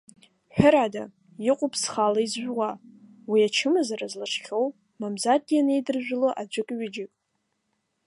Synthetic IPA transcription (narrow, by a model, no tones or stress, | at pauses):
ħʷᶣʊɾada | jɪqʷʼʊpʰsχalaizʒʷwa | wiat͡ʃʰɨmɨzaɾazlaʂχʲow | mamzad̚ɡʲiane̞jdɨrʒᶣʷɪloʔad͡ʒʷʊkʼɥɪd͡ʒɪkʼ